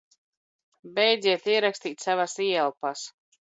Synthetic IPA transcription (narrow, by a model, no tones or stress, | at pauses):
bɛjd̪ziɛt̪iɛɾakst̪iːt̪ʲsavasiɛlˠpas